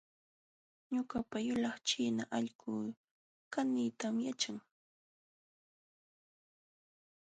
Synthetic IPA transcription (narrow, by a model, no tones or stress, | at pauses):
ɲʊkapajʊlɑχt͡ʃiːnaʔaʎɢʊː | kaniːt̪amjat͡ʃaŋ